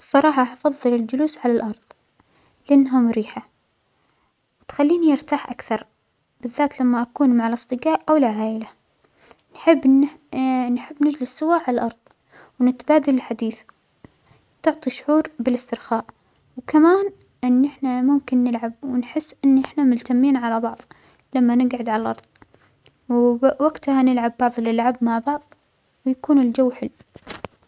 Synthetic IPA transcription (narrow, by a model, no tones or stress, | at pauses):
sˤːɑɾˤɑːħɑfɑðˤːɨlɪld͡ʒʊluːsʕalalʔɑɾˤðˤ | lɪʔanːɦamɾiːħa | wɪt̪xalːiːnijɪɾt̪aːħʔakθɑɾˤ | b̥ɪðːaːt̪lamːaʔakuːnmaʕalʔɨsˤt̪ˤɨɡaːʔʔawɪlʕaːʔɪla | nħɪbː | nħɪbːnɪd͡ʒlɪsːʊwaʕalalʔɑɾˤðˤ | wnɪt̪baːd̪alɪlħad̪iːθ | t̪ʊʕt̪ˤiʃʊʕuːɾbɪlɪst̪ɪɾxaːʔ | wkamaːn | ʔɪnːʔɪħnamʊmkɪnːɪlʕabwɪnħɪsːʔɪnːʔɪħnamʊlt̪amːiːnʕalabɑʕðˤ | lamːanɪɡʕɪd̪ʕalʔɑɾˤðˤ | wwaɡt̪hanɪlʕabːɑʕðˤlɪlʕabmaʕbɑʕðˤ | wjakuːnɪld͡ʒawːħɪlː